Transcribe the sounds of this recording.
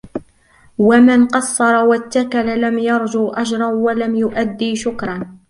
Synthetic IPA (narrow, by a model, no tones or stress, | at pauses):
wamɪnqɑsˤːɑɾˤɑwat̪ːakalalamjɑɾˤd͡ʒʊʔad͡ʒɾˤɑwalamjʊʔad̪ːiːʃʊkɾˤɑn